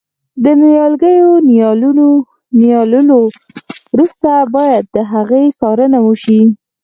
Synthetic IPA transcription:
d̪ənijɑlɡəjonjɑluo | nijɑlulo | wɾust̪abɑjad̪̚ːəɦaɣejsɑɾənawəʃi

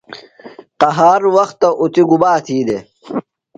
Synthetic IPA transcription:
qɐɦaːɾwɐxt̪ːɐʔut̪iɡubaːt̪ʰiːd̪e

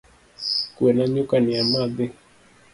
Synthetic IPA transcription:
kwenaɲʊkanɪamad̪ɪ

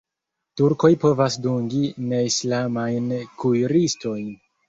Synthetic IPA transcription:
tuɾko̞jpo̞vasduŋɡine̞islamajnkujɾisto̞jn

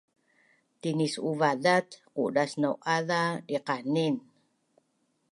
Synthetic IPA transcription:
t̪inisuvadat̪qṵdasnawʔaðadiqanin

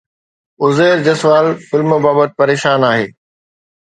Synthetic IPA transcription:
ʊzeːɾd͡ʑɐsʋaːlfɪlməbaːbət̪̚pɐɾeːʃaːnaːɦḛː

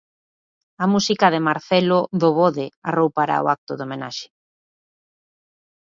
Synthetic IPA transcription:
amusikaðemaɾθɛloðoβoðɪarowpaɾa̰o̰ʔak̚t̪ʊðomena̰ʃe̥

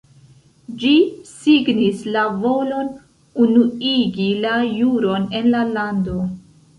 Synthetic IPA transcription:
d͡ʒisiɡnislavo̞lo̞n | unuiɡilajuɾo̞ne̞nlalando̞

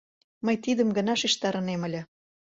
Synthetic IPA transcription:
məjt̪id̪ə̆mɡə̆nɑʃiʃt̪ɑɾə̆nemə̆lʲĕ

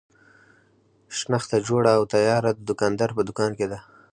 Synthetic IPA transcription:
ʃnaxt̪ad͡ʒoɽaːwt̪ajɑɾad̪əd̪ʊkɑnd̪aɾpəd̪ʊkɑnked̪a

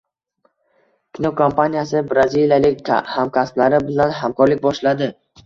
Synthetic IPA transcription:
kʲʰinokʰompʰanijasɪbɾazilijalɪkʲhamkʲʰasblaɾɪbɪlanɦamkʰɒɾlɪk̚ʲbɒʃlad̪ɪ

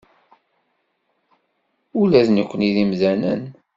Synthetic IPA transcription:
ulæðnəkʷːəniðimzænə̰n

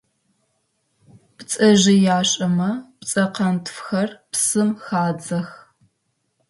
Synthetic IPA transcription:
pt͡sʼɐʒɪjaːɕʼɐmɐpt͡sʼɐqɐntʰfxɐrpsɨmxaːd͡zɐx

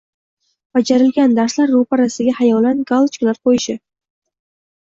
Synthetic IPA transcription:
b̥ad͡ʒaɾɪlɡʲand̪aɾslaɾːopaɾasɪɡʲahajɒwlanɡalˠt͡ʃklaɾqʰojɪʃɪ

